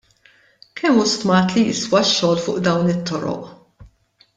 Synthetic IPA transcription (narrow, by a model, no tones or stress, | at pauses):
kʰɛmːust̪mɐːt̪lijɪ̰swɐʃːɔːlfʊ̰ːʔd̪ɐwnɪt̪ʰːɔɾɔ̰ʔ